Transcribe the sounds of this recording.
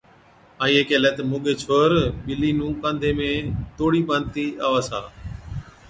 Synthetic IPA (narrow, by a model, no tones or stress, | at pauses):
aːiːeːkeːlɛːt̪moːɠeːt͡ʃʰoːɾɓɪliːnũːkãːnd̪ʱeːmẽːt̪oːɽiːɓə̃ːn̚t̪iːaːʋaːsa̰ː